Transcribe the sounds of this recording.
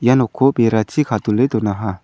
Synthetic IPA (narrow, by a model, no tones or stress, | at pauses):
janɔkʰobeɾat͡ʃikʰat̪ulet̪onaɦa